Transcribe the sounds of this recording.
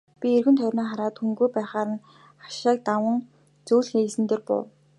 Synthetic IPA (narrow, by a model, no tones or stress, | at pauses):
pʲierɣɘ̆nt̪ʰœrʲnɔːχaɾaːt̪xuŋɡujpæːχaːɾə̆n | χḁʃaːk̚t̪awə̆ŋ | t͡suːɮxesɘ̆nt̪eːrpʊ̰w